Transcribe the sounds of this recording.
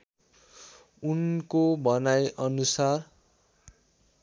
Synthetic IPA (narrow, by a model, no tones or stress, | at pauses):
unkobʌnajʔʌnusar